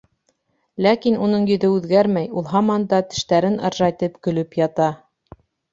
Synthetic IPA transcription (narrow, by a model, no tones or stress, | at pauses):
lækinun̪ɤɴjɵ̆ðɵʉðɡæɾmæjulˠɦɑmɑnd̪ɑt̪ɘ̥̆ʃt̪æɾɘnɑ̰̆ɾʒɑjt̪ɤpkɵ̆lɵpjɑt̪ɑ